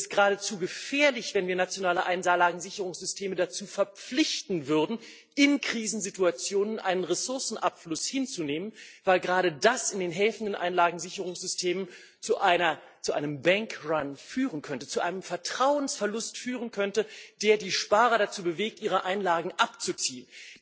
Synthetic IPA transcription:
stɡ̥əʁaːɾət͡suːɡəfeːɐlɪçv̥ɛnviːɐnat͡sjonaːləʔaɪnzaːlaːɡŋ̩zɪçəʁ̞ʊŋsz̥ʏstʰeːmədat͡suːfɛɐp͡flɪçtn̩vʏɐdn̩ | ɪnkʁ̥iːzn̩zɪtuat͡sjoːnənʔaɪnənʁesʊɐsn̩ʔapflʊshɪnt͡suneːmənvaɪlɡəʁaːɾədasɪndeːnɦɛlfn̩dənʔa̰ɪnlaːɡŋ̩zɪçəʁ̞ʊŋsz̥ʏstʰeːmən | t͡suʔaɪnɐ | t͡suʔa̰ɪnəmbɛŋkʁanfyːʁənkʰœntə̥t͡suʔaɪnəmfɛɐtʁ̥aʊənsfɛɐlʊstfyːʁənkʰœntəd̥eːɐdiːʃpaːʁɐɾat͡suːbəveːk̚tʔiːʁ̞əʔaɪnlaːɡŋ̩ʔapt͡sut͡siːən

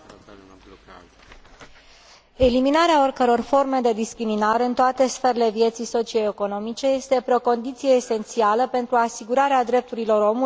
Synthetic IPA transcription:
e̞liminaɾeao̞rkəɾo̞rfo̞rme̞d̪e̞d̪iskɾiminaɾe̞ɨnt̪oat̪e̞sfe̞ɾele̞vije̞t̪sijso̞t͡ʃioeko̞no̞mit͡ʃe̞je̞st̪e̞pɾeoko̞nd̪it̪sije̞ːse̞nt̪sialəpe̞nt̪ɾuasiɡuɾaɾead̪ɾe̞p̚t̪uɾilo̞ɾo̞mu

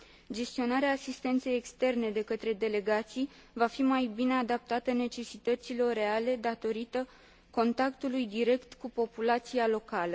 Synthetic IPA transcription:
d͡ʒe̞st̪io̞naɾeaːsist̪e̞nt̪se̞jekst̪e̞rne̞d̪e̞kət̪ɾe̞d̪e̞le̞ɡat̪sij | vafimajbine̞ad̪ap̚t̪at̪əne̞t͡ʃe̞sit̪ət̪silo̞rːe̞ale̞d̪at̪o̞ɾit̪ə | ko̞nt̪akt̪ulujd̪iɾe̞kt̪kupo̞pulat̪sialo̞kalə

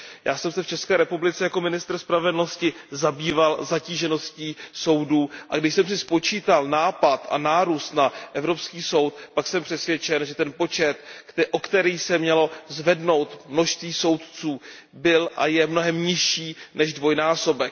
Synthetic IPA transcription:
jaːsɛmsɛft͡ʃɛskɛːɾɛpublɪt͡sɛjako̞mɪnɪst̪r̩spɾavɛdl̩no̞scɪzabiːvalzaciːʒɛno̞sciːso̞wduːʔa̰ɡdɪʃsɛmsɪspo̞t͡ʃiːt̪alnaːpat̪ʔa̰naːɾuːst̪naʔɛvɾo̞pskiːso̞wt̪paksɛmpr̥ɛsvjɛt͡ʃɛnʒɛt̪ɛnpo̞t͡ʃɛt̪ʔokt̪ɛɾiːsɛmɲɛlo̞zvɛdno̞wt̪mno̞ʃst̪viːso̞wt̪t͡suː | bɪlʔa̰jɛmno̞ɦɛmɲɪʃiːnɛʒdvo̞jnaːso̞bɛk

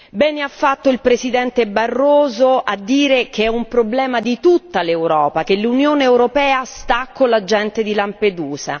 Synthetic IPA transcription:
bɛːneafːat̪ːoilpɾesid̪ɛnt̪ebarːoːzoʔad̪ːiːɾekeɛumpɾoblɛːmad̪it̪ut̪ːalewɾɔːpak̟elːunjoːneːwɾopɛːast̪akːolad͡ʒɛnt̪ed̪ilamped̪uːza̰

